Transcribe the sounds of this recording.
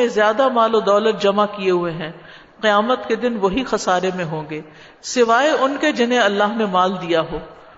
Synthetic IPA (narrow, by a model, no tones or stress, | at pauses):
ẽzjaːd̪amaːlod̪ɔːlət̪̚d͡ʒɐmakieɦueɦɛ̃ː | qɪjaːmət̪ked̪ɪnʋoɦixɐsaːɾemẽɦõːŋɡeː | sɪʋaːeʊnked͡ʒɪnẽɐlːaːɦnemaːld̪ijaɦoː